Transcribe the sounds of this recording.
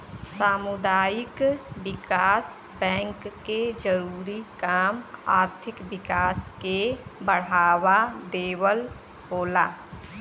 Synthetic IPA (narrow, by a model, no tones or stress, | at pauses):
saːmʊd̪aːjɪkbɪkaːs | bɛ̃ːŋkːed͡ʒəɾuːɾikaːma̰ːɾt̪ʰɪkbɪkaːskebəɽ̤aːwad̪eːwəl | boːlaː